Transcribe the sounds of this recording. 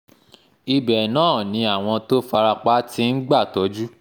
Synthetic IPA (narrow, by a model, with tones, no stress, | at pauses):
i˧bɛ˨nãː˦˨nĩ˨˧˦a˨w̃ɔ̃˧to˦fa˧ɾa˧k͡pa˦tĩ˦n̩˦ɡ͡ba˦˨tɔ˨˦d͡ʒu˦